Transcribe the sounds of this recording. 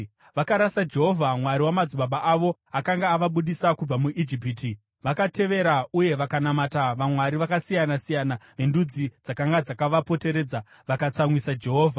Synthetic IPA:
ʋakaɾasad͡ʒe̞ɦo̞vʱamwaɾiwamad͡zuɓaɓaʔaʋo̞akaŋɡaːʋaɓuɗisakub͡vamuʔid͡ʒip̬iti | ʋakate̞ʋe̞ɾauje̞ʋakanamataʋamwaɾiʋakasijanasijanaʋe̞ndud͡zid͡zakaŋɡad͡zakaʋapo̞te̞ɾe̞ːd͡za | ʋakat͡samwisad͡ʒe̞ɦoːvʱa

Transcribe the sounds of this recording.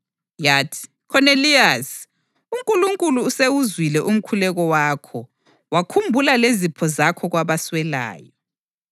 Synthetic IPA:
jaːtʰi̥ | kʰɔnelias | uŋkʼuluŋkʼuluːsewuzwilɛʔum̩kʰulɛɣɔwaːkʰɔ | wakʰumbʱulalezipʰɔzakʰɔɣwaβaswɛla̰ːjɔ

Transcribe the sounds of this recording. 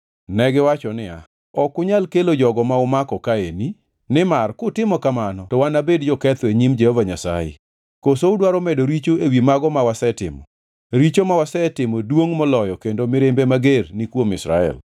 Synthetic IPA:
nɛɡɪwat͡ʃɔnɪa̰ | ɔkʊɲalkelod͡ʒɔɡɔmaʊmakɔkaeni | nɪmarkʊtɪmɔkamanɔtɔwanabedd͡ʒɔkɛt̪eɲimd͡ʒɛhovaɲasa̰jḛ | kosoʊdwaɾɔmɛdoɾit͡ʃoewimaɡɔmawasɛtɪ̰mɔ̰ | ɾit͡ʃomawasɛtɪmɔdwoŋmɔlɔjɔkendomɪɾembemaɡernikwomɪ̰sɾa̰ɛ̰l

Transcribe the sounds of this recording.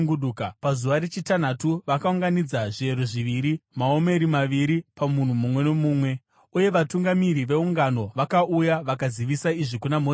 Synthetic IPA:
ɡuɗukpazuʋaɾe̞t͡ʃitan̤atuʋakauŋɡanid͡zaʐie̞ɾoʐiʋiɾimao̞me̞ɾimaʋiɾipamun̤umumwe̞no̞muːmwe̞ | uje̞ʋatuŋɡamiɾiʋe̞uŋɡano̞ʋakaʔujaʋakaziʋisaiʐikunamo

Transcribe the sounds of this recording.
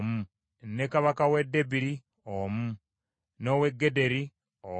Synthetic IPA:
mu | nekaβakawedebiɾi | omu | noweɡːedeɾi | o

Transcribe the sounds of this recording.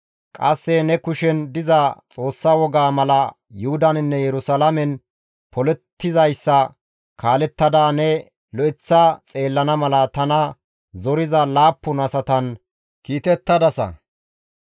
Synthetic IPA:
kʼɐsːɛnɛkʊʃɛnd̪ɪzɐt͡sʼo̞ːsːawɔɡaːmɐlɐ | jʊhʊd̪ɐnɪnːɛjɛɾʊsalɐmɛn | pʰɔlɛt̪ːɪzɐjsːɐ | kʰaːlɛt̪ːɐd̪aːnɛ | lɔʔɪt͡sːɐt͡sʼe̞ːlːɐnɐmɐlɐt̪ɐnɐ | zɔɾɪzɐlaːpːʊnɐsɐt̪ɐn | kiːt̪ɛt̪ːɐd̪ɐsɐ̰

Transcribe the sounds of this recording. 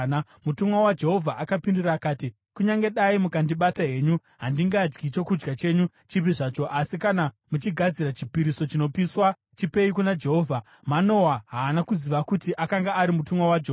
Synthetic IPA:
mutumwawad͡ʒe̞ɦo̞vʱaʔakapinduraːkaːti | kuɲaŋɡe̞ɗaimukandiɓataɦe̞ːɲu | ɦandiŋɡad͡ʒɡit͡ʃo̞kud͡ʒɡat͡ʃe̞ɲu | t͡ʃip̬iʐaːt͡ʃo̞ʔasikana | mut͡ʃiɡʱad͡ziɾat͡ʃi̥piɾiso̞t͡ʃino̞piːswa | t͡ʃipe̞ikunad͡ʒe̞ɦo̞ːvʱa | mano̞waɦaːnakuziʋakutiʔakaŋɡaːɾimutumwawad͡ʒeːa

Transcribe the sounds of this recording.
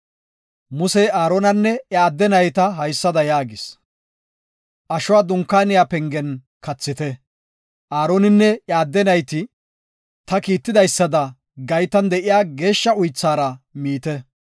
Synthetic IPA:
mʊsɛaːɾoːnɐnːɛaːd̪ːɛnɐjt̪ɐɦɐjsːɐd̪ɐjaːɡɪs | ʔɐʃʊwaːd̪ʊŋkːaːnɪjaːpɛŋɡɛn | kɐt͡sːɪt̪ɛ | ʔaːɾoːnɪnːɛjaːd̪ːɛnɐjt̪ɪ | t̪ɐkiːt̪ːɪd̪ɐjsːɐd̪ɐ | ɡɐjt̪ɐnd̪ɛʔɪjaːɡe̞ːʃːɐʊjt͡sːaːɾɐmiːt̪ɛ

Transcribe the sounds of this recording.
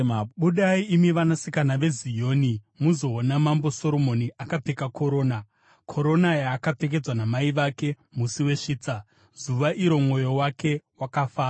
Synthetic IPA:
ɓuɗaiimiʋanasikanaʋe̞zijo̞ːni | muzo̞ːnamambo̞so̞ɾo̞mo̞niʔakap͡fe̞kakʰo̞ɾo̞ːna | kʰo̞ɾo̞najaːkap͡fe̞k̬e̞d͡zwanamaiʋake̞ | musiwe̞ʂiːt͡sa | zuʋaʔiɾo̞mŋo̞jo̞wake̞wakafaː

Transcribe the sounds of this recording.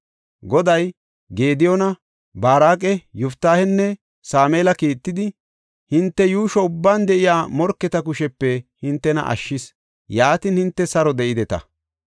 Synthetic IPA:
ɡɔd̪ɐj | ɡeːd̪ɪjɔnɐ | baːɾaːkʼɛjʊft̪ːaːhɛnːɛ | saːmeːlɐkiːt̪ːɪd̪ɪ | hɪnt̪ːɛjuːʃɔʊbːaːnd̪ɛʔɪjaːmɔɾkːɛt̪ɐkʊʃɛpːɛhɪnt̪ːɛnɐ̰ʔɐ̰ʃːɪs | jaːt̪ɪnhɪnt̪ːɛsɐɾɔd̪ɛʔɪd̪ɛt̪ɐ̰

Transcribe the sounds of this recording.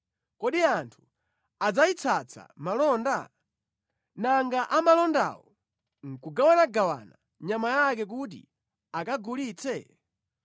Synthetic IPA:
kɔɗiantʰu̥ | ad͡zait͡sʰat͡sʰa̰malɔnda | naŋɡaʔamalɔnda̰wɔ | ŋ̩kuɡawanaɡawa̰na | ɲamajak̬ɛk̬ut̬ḭ | akaɡuliːt͡sʰɛ

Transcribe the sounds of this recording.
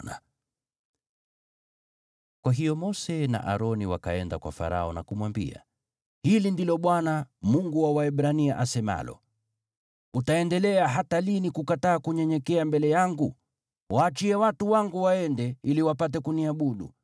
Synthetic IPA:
na | kwaɦijɔmɔsɛna̰ʔaɾɔniwaka̰ɛndakwa̰fa̰ɾa̰ɔnakumwambḭa̰ | hilindilɔɓwanamuŋɡuwawaɛɓɾaniaʔasɛma̰lɔ̰ | utaɛndɛlɛaɦatalinikukataːkuɲɛɲɛkɛambɛlɛjaŋɡu | wʔaːt͡ʃiɛwatuwaŋɡuwaɛndɛiliwapat̬ɛkuniaɓuɗṵ

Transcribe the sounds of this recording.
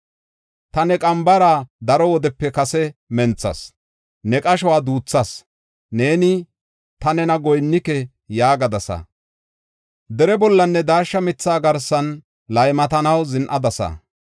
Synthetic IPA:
t̪ɐnɛkʼɐmbɐɾaːd̪ɐɾɔwɔd̪ɛpːɛkɐsɛmɛnt͡sːɐ̰s | nɛkʼɐʃ̬ɔwaːd̪uːt͡sːɐs | neːnɪ | t̪ɐnɛnɐɡɔjnːɪkɛ | jaːɡɐd̪ɐsɐ̰ | d̪ɛɾɛbɔlːɐnːɛd̪aːʃːɐmɪt͡sːaːɡɐɾsɐn | lɐjmɐt̪ɐnɐwzɪnʔɐd̪ɐsɐ̰

